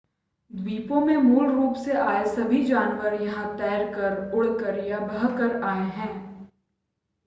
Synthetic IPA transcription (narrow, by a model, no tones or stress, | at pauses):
d̪wiːpõmẽmuːlɾuːpseʔaːesɐbʱid͡ʒaːnʋəɾjɐɦãt̪ɛːɾkəɾʊɽ̤kəɾjabɐɦkəɾaːeɦɛ̃ː